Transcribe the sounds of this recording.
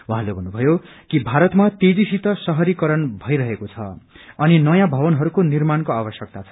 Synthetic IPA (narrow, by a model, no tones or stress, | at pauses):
wɦãlebʱʌnːubʱʌjokibʱaɾʌt̪mat̪ed͡zisit̪ʌsʌɦʌɾikʌɾʌnbʱʌjɾʌɦekot͡sʰʌ̰ʌninʌjãbʱʌbʌnɦʌɾukonirmankoabʌsjʌk̚t̪at͡sʰʌ̥